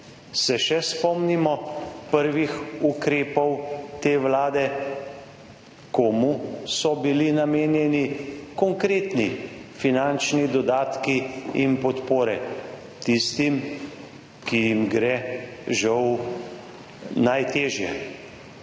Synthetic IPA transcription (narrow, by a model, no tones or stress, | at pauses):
sɛʃɛspɔmnimɔpəɾʋixukɾeːpɔwt̪eːʋlaːd̪ɛ | koːmusɔbilinameːnjɛnikɔŋkɾeːt̪nifinant͡ʃnid̪ɔd̪aːt̪kiinpɔt̪poːɾɛ | t̪ist̪im | kijimɡɾɛʒaw | najt̪eːʒjɛ̰